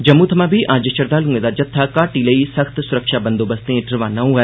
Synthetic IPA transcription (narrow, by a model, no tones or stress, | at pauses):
d͡ʒɐmːũːt̪ʰɐmãːbʱiʔãːd͡ʒəʃɐɾd̪aːlũːẽːd̪ad͡ʒɐt̪ʰːakaːʈiləisɐxt̪sʊɾɐkʃaːbɐ̃nd̪oːbɐst̪ẽʈɾɪʋãːnɐũɦɛ